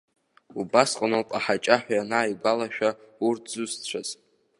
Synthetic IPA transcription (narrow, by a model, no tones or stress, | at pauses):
ubasqʼanowpʼaħat͡ʃʼaħʷᶣajanajɡʷalaʃᶣaurtʰzuzt͡ɕʷʰaz̥